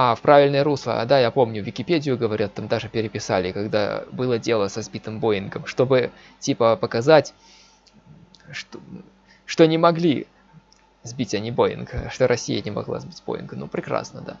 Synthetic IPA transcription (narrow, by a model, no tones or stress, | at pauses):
afpɾʔavʲɪlʲnəjəɾuslˠə̰d̪ajapo̞mnʲʊvʲɪkʲɪpʲedʲɪjʊɡəvɐɾʲat̪ːamd̪aʐɨpʲɪɾʲɪpʲɪsalʲɪkɐɡd̪a̰bɨlˠədʲe̞lˠəsɐzbʲit̪ɨmbo̞ɪnɡəmʂt̪o̞bɨ | tʲipəpəkɐzatʲ | ʂt̪o | ʂt̪onʲɪmɐɡlʲi | zbʲitʲɐnʲibo̞ɪ̰nɡəʂt̪oɾʔɐsʲːḭjənʲɪmɐ̰ɡlˠa̰zbʲitʲbo̰ɪ̰nɡənupɾʲɪkɾa̰snəd̪a̰